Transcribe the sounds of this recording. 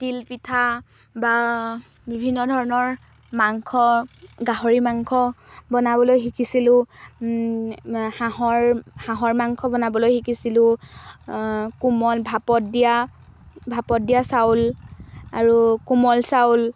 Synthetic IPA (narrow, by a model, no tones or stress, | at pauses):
tilpitʰa | ba | bibʱinːɔdʱɔɹɔnɔɹ | maŋkʰɔɡaɦoɹimaŋkʰɔbɔnaβɔlojxikisilʊ̃ | haɦɔɹhãɦɔɹmaŋkʰɔbɔnabɔlojxikisilʊ̃ | kumɔlbʱapɔdija | bʱapɔt̚dijasawl | aɹukumɔlsawl